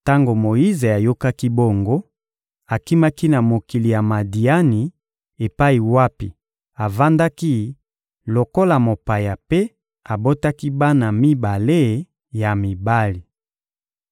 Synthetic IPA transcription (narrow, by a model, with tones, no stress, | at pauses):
ta˦ŋɡo˨mo˨ji˦ze˨a˨jo˦ka˦ki˦bo˦ŋɡo˦ | a˨ki˦ma˦ki˦na˨mo˨ki˨li˨ja˨ma˨di˨a˦ni˨ | e˨pa˦i˨wa˦pḭ˨ | a˨va˦nda˦ki˦ | lo˨ko˦la˨mo˨pa˨ja˨pe˦ | a˨bo˦ta˦ki˦ba˦na˨mi˦ba˨le˦ | ja˨mi˨ba˦li˨